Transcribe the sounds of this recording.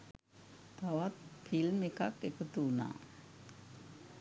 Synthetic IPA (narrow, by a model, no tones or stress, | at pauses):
t̪awat̪̚fʰilmekak̚ekət̪una̰